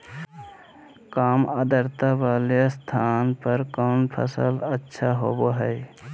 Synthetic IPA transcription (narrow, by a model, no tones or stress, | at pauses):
kaːmad̪əɾt̪abalest̪ʰanpəɾkənpʰə̰sələtːʃʰaɦo̰boɦəɪ